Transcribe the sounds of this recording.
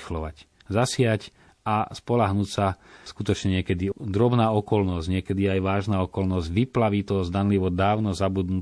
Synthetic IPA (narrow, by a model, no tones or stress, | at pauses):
xlɔʋac | zasɪac | ʔaspɔlaɦnucsaskut̪ɔt͡ʃɲɛɲɪɛkɛd̪id̪ɾɔbnaːɔkɔlnɔzɟɲɪɛkɛd̪iajʋaːʒnaːɔkɔlnɔzɟʋiplaʋit̪ɔzd̪anliʋɔd̪aːʊnɔzabud̪nu